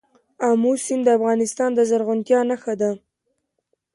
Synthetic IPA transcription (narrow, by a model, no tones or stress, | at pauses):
amusɪmd̪əafɣɑnɪst̪ɑnd̪əzaɾɣʊnt̪jɑnaxad̪a